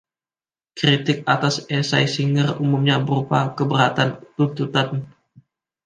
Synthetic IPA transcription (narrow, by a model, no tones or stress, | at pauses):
kɾit̪ɪk̚at̪asesajsiŋərumumɲabəɾupakəbəɾat̪ant̪unt̪ut̪an